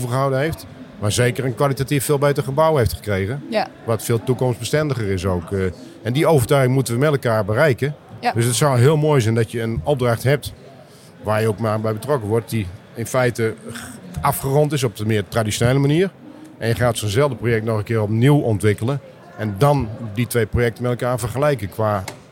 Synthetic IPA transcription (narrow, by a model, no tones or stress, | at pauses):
ovərχəɦawdənɦejft | maːɹzeːkərənkʋalˠitatifːɪːlˠbeːtəχəbawheftχə̥krejɣənʋɔtfɪːlˠtukɔmsbəstɛndəχərɪsowk | ɛndiowvərtœɥɣɪŋmutəʋəmɛtɛlˠkaːɹbərɛjkədøsətsawɦɪəlˠmoːjzɛjndɔtjəːnɔp̚draχtɦɛp̚t | ʋaːjəokmaːbɛjbətrɔkəʋɔɹt̚di | ɪnfɛjtə | ʔɑfχərɔntɪs̬ɔp̚dəmɪːtradisjoneːləmaniːər | ʔɛnjəχaːtsoːnzɛlˠdəprojɛk̚tnɔχənkɪːrɔp̚niwɔntʋɪkələn | ɛndɔnditʋejprojɛk̚tənmɛtɛlˠkaːɹvərχəlɛjkəkʋaː